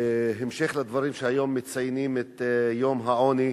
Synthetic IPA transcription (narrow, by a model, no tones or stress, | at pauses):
ɦemʃeχlad̪vaɾimʃeajomːet͡sajnimet̪jomɦaoni